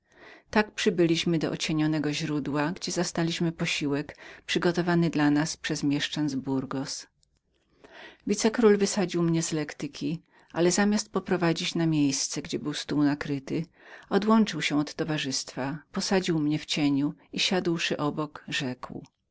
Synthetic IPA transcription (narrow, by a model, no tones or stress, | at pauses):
t̪ak̚pʂɘbɘlʲiɕmɘd̪ɔʔɔ̰t͡ɕeɲɔnɛɡɔʑɾud̪waɡd͡ʑɛzast̪alʲiɕmɘpɔɕiwɛkpʂɘɡɔt̪ɔvanɘd̪lanaspʂɛzmʲjɛʂt͡ʂand̪zbuɾɡɔs | vʲit̪sɛkɾulvɘsad͡ʑiwmɲɛzlɛkt̪ɘkʲi | ʔalɛzamʲjast̪̚pɔpɾɔvad͡ʑit͡ɕnamʲjejst̪sɛɡd͡ʑɛbɘwst̪uwnakɾɘt̪ɘ | ɔd̪wɔnt͡ʂɘwɕɛɔt̪ːɔvaʐɘst̪fapɔsad͡ʑiwmɲɛft͡ɕeɲuiɕad̪wʂɘʔɔbɔkʐɛkw